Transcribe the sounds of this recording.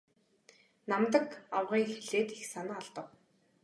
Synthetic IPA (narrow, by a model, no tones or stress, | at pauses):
namt̪ə̆kawʁiːŋxeɮeːt̪ixsanaːɔɮt̪ə̆w